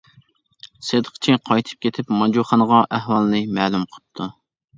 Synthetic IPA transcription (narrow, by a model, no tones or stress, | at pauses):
sed̪əqʰt͡ʃʰiqʰɑjt̪ʰɨ̥p̚kʲʰet̪ʰɪpmɑd͡ʒuχɑnəʁɑʔæhwɑlˠnɨmɛːlumqʰə̥t̪ʰːu